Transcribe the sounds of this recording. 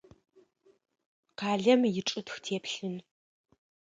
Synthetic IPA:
qʰaːɮɐmjɪʈ͡ʂʼɨtxtʰeːpɬɨn

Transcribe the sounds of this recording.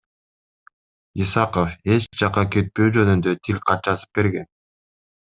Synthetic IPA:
isɑqofe̞t͡ʃd͡ʒɑqɑket̪̚pøjd͡ʒø̞nynd̪øt̪ʰilʲqʰɑt̪̚t͡ʃɑsɯ̥p̚be̞ɾɡe̞n

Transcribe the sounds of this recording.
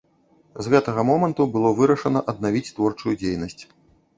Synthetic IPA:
zɣɛt̪ɐɣɐmɔmɐnt̪ubɨlˠɔvɨɾɐʂɐnɐʔɐd̪̚navʲit͡sʲt̪vɔrt͡ʂujud͡zʲejnɐsʲt͡sʲ

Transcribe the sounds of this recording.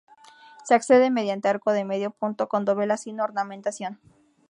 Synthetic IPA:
se̞akse̞ðeme̞ðjant̪eaɾkoðeme̞ðjo̞punt̪o̞kond̪o̞βe̞lasino̞ɾnament̪asjo̞n

